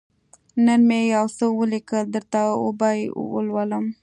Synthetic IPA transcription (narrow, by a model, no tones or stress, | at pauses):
nənmejawsəwəlikəld̪əɾt̪ao̰bɑjwə̰lwaləm